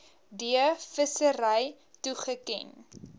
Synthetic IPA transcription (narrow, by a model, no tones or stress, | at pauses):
diəfəsəɾəj | tuχəkɛ̰n